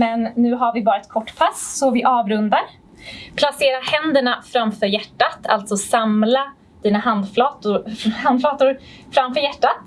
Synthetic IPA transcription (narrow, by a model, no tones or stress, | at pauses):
mɛnːʉ̟ːɦaɾvɪbɑːɾaɛt̪̚kʰɔʈːpʰasːɔvɪʔɑːvɾɵnd̪aɾ | pʰlaseːɾahɛnd̪əɳafɾamfœːɾjæʈːat̪ʰa̰lt̪sɔsamla | d̪̥iːnaɦand̪flɑːt̪ʊhand̪flɑːt̪ʊɾ | fɾamfœɾjæʈːat̪̚